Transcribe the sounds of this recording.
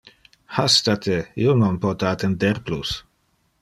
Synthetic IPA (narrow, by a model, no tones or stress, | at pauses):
hast̪at̪ʰeḭononpɔt̪aat̪end̪ɛrplus